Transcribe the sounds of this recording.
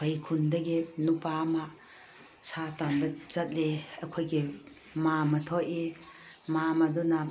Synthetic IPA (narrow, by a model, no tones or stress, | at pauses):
pʰɐjkʰundɐɡinupama | satanbɐzɐt̚leɐkʰojɡi | mamɐtʰoʔe | mamɐdunɐ